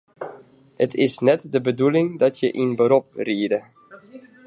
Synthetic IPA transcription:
hətʰɪsnɛtdəbədulɪŋdɔtjəʔinbəɾɔp̚riədə

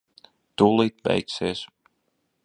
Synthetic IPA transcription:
t̪uːlˠiːt̪̚bɛ̰jkseːs

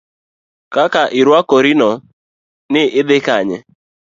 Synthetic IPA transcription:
kakaʔiɾuakoɾinɔ | nɪʔɪbɪkaɲɪ̰

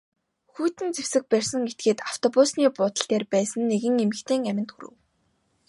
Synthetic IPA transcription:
xuːt̪ɘ̆nt͡sew̥sɘ̆k̚pærʲsə̆ŋet̪̚ɡeːt̪aw̥t̪ʰɔpʊsniːpʊːt̪ə̆ɬt̪eːrpæːsə̆nːeɣɘ̆ŋemɘ̆kt̪ʰeːŋæmʲɪ̆nt̪xṵɾɘ̰̆w

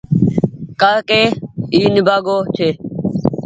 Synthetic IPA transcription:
kaːkeːiːnɪbʱaːɡoːt͡ʃʰeː

